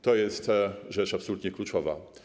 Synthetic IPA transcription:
t̪ɔjɛst̪ʐɛt͡ʂapsɔlut̪ɲɛklut͡ʂɔva̰

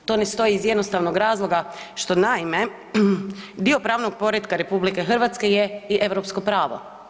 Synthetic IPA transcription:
t̪onest̪o̞iːzjed̪nost̪aːʋnoɡɾaːzlˠo̞ɡaʃt̪o̞naime̞ | d̪io̞pɾaːʋnoɡ̚po̞ɾjet̪kaɾe̞publike̞xr̩ʋaːt̪ske̞jeiʔe̞ʋɾopsko̞pɾaːʋo̰

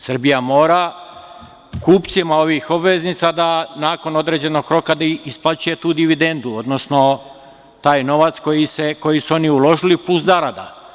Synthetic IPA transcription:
sr̩bijamo̞ːɾa | kuːpt̪simao̞ʋixo̞bʋe̞znit̪sad̪anaːko̞no̞d̪ɾe̞ːd͡ʑe̞no̞ɡ̚kɾo̞kad̪isplat͡ʃuje̞t̪uːd̪iʋid̪e̞nd̪uo̞d̪nosno̞ | t̪aːjno̞ʋat̪sko̞jiseko̞jisuo̞niulˠo̞ʒilipluszaɾad̪a̰

